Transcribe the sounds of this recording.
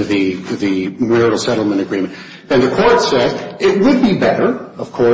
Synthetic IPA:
ðɨðɨmɪɹɨl̩ˠsɛɾl̩ˠmɨ̃ɾ̃ɨɡɹĩmɨ̃n | ɨ̃nðɨkʰɔɹtsɛzɪt̚wəd̚bibɛɾə˞ʌv̥kʰɔ

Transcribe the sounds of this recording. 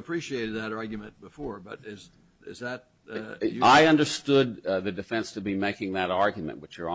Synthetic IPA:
əpʰɹ̥iʃieɪɾɨd̪̚ðɨɾɑɹɡjɨmɨ̃n̚b̥əfɔɹbʌɾɪz | ɪ̰zðɨt̚ | aɪʌ̃ndə˞stʊd̪̚ðɨdɨfɛ̃nstʰɨbimeɪkɪ̃ŋðɨɾɑɹɡjmɨ̰̃nʔwɨt͡ʃə̃˞

